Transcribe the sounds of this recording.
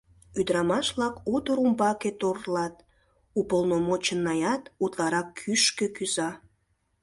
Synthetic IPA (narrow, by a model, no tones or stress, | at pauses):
yd̪ɾɑmɑʃβlɑkut̪əɾumbɑket̪orlɑt̪ | upəlnomot͡ɕənːɑjɑt̪ut̪lɑɾɑkʰːyʃkekyzɑ